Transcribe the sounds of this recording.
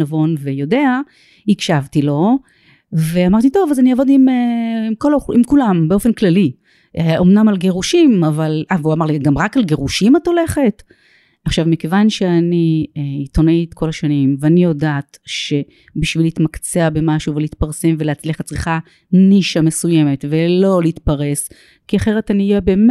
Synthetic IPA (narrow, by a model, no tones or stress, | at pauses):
avo̞nvejo̞de̞a | hikʃavtilo̞ | ve̞amaʁt̪̬ito̞vazaniavo̞dimeimkolḭmkulambe̞ofenklali | eomnamalɡe̞ʁuʃimavalavuamaʁliɡamʁakalɡe̞ʁuʃimato̞le̞χe̞t | aχʃavmike̞vanʃe̞aniit̪o̞nait̪ko̞laʃanimveanijo̞daːtʃe̞ | biʃvilit̪makt͡seabe̞maʃuveliit̪paʁse̞mve̞leat͡sliχat̚t͡sʁiχa | niʃame̞suje̞me̞tvelo̞leit̪paʁe̞s | kiaχe̞ʁetaniːjebeːm